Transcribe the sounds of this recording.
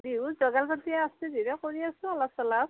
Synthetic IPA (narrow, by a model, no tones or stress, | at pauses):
dizɔɡalpatiɛasɛziɹɛkoɹiasʊ̃alasɔlap